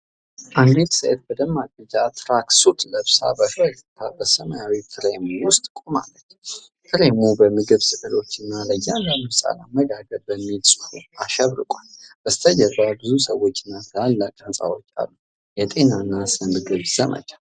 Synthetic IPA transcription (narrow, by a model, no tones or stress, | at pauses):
ʔaŋɡetsəʔet̪̚bəd̪əmːaɡ̪əd͡ʒat̪ʰɾaksut̪ʰʼləβsa̰bəfəɾit̪ʰabəsəmajawifʰɨɾemuwʊst̪ʼkʼoma̰lːət͡ʃː | fʰɨɾemubəmɨɡɨβsɨkʼɨlo̞t͡ʃːɨnːaləjanləmɨsʼa̰laməɡaɡəɾbəmːilsʼɨ̥huaʃɛβɾɨ̰kʷʼalbəst̪ʰəd͡ʒɛbabɨzusəwːo̞t͡ʃːɨnːasalːakʼənsʼa̰wo̞t͡ʃːa̰lːu | jɛt̪ʼe̞naɨnːasɨmɨɡɨβz̥əmə̰t͡ʃʼḁ